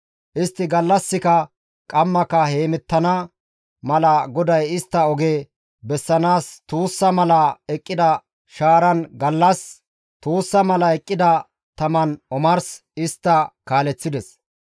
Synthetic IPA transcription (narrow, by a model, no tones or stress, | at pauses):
ʔɪst̪ːɪɡɐlːɐsːɪkɐ | kʼɐmːɐkɐhe̞ːmɛt̪ːɐnɐ | mɐlɐɡɔd̪ɐjɪst̪ːɐɔɡeː | bɛsːɐnaːst̪uːsːɐmɐlɐɛkʼːɪd̪ɐ | ʃaːɾɐnɡɐlːɐs | t̪uːsːɐmɐlɐɛkʼːɪd̪ɐ | t̪ɐmɐnɔmɐɾs | ɪst̪ːɐkaːlɛt͡sːɪd̪ɛs